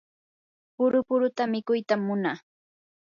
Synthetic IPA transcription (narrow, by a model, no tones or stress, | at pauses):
pʊɾʊpʊɾʊt̪amɪkʊjt̪amːʊnaː